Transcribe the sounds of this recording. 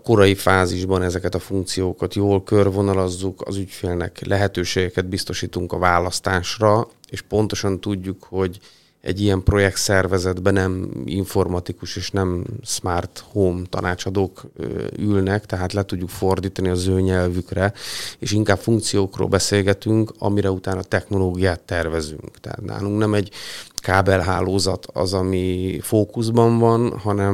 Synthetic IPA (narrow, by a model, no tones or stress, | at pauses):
ko̞ɾɒjifaːziʒbɒnɛzɛkɛt̪ɒfuŋk̚t̪sijoːkɒt̪joːlkørvo̞nɒlɒzːukɒ̰zycfeːlnɛ̰klʔɛɦɛt̪øːʃeːɡɛkɛd̪̚bist̪o̞ʃiːt̪uŋkɒvaːlɒst̪aːʃrɒeːʃpo̞n̪t̪o̞ʃɒnt̪uɟːukho̞ɟ | ɛ̰ɟːijɛmpro̞jɛk̚t̪sɛrvɛzɛd̪bɛnɛmḭɱfo̞rmɒt̪ikuʃeːʃnɛmsmart̪hoːmt̪ɒ̰nʔaːt͡ʃɒd̪oːkøylnɛkt̪ɛɦaːt̪lɛt̪uɟːukfo̞rd̪iːt̪ɒniɒzøːɲɛlvykrɛeːʃiŋkaːpfuŋk̚t̪sijoːkro̰ːlbɛseːlɡɛt̪yŋkɒ̰miɾɛut̪aːnɒt̪ɛxno̞loːɡijaːt̪ːɛrvɛzy̰ŋkt̪ɛa̰t̪na̰ːluŋknɛmɛɟkaːbɛlɦa̰ːloːzɒt̪ʰɒ̰zɒmifoːkuzbɒɱvɒnhɒnɛm